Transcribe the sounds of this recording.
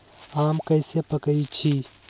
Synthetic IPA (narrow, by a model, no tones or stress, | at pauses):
amkəjsepəkəjt͡ʃʰi